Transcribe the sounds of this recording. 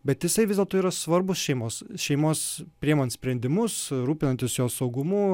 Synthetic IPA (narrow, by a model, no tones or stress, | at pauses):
bʲɛt̪jɪsɐɪʋʲɪzʲdʲɛlˠt̪oːiːɾɐsʋɐɾbʊsʃʲɛɪmoːsʃʲɛɪmoːspʲɾʲiɛmoːnʲsʲpʲɾʲɛnʲd̪ʲɪmʊsɾuːpʲɪnɐnʲt̪ʲɪsjoːsɐʊɡʊmu